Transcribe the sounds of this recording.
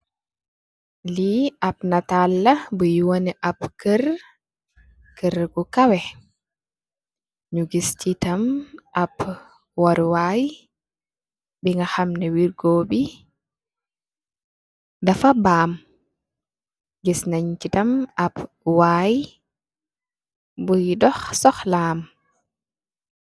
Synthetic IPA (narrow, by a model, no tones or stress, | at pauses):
liapnatalːɐbujuwonɛʔapkəɾ | kəɾɡukawɛ | ɲuɡist͡ʃitɐmʔap | waɾwaːj | biŋɡaxamnɛwiɾɡoːbi | dafabaːm | ɡisnaɲt͡ʃitɐmap | waːj | bujdɔxsɔxlaːm